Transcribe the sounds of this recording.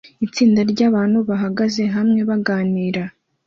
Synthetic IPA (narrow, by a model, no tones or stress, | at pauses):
it͡siːndaɾɟaːβaːnhuβaɦaɡaze̞ɦamŋe̞βaɡaːniːɾa